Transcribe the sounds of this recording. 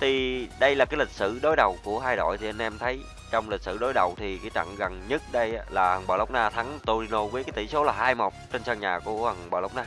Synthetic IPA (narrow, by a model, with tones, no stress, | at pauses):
t̪ʰi˨˩ɗə˧jlaː˨˩kaː˨˦jlï˨˩k̟̚sɨ̰˧˨ɗo˨˦jɗə˨˩wku˧˩əɦaː˧jɗo̰˧˨jt̪ʰi˨˩ʔə˧nʔɛ˧mt̪ʰə˨˦j | t͡ɕɔ˧wŋ͡mli̟˨˩sɨ̰˧˩ɗo˨˦jɗə˨˩wt̪ʰi˨˩kaː˨˦jt͡ɕa̰˧˨ŋɣə˨˩nɲə˦˥t̚ɗə˧jlaː˨˩hə˨˩ŋɓə̰ː˧˨˩lə˦wk͡p̚naː˧t̪ʰa˨˦ŋt̪o˧ɾi˧no˧wəː˨˦kaː˨˦t̪i˧˩so˨˦laː˨˩haː˧jmo˨˩k͡p̚t͡ɕe˧nsəː˧ŋɲaː˨˩ku˧˩əhə˨˩ŋɓə̰ː˧˩lə˨˦wk͡p̚naː˧